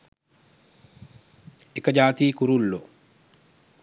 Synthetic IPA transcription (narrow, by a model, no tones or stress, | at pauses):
ekːɐd͡ʒaːt̪iːkuɾulːo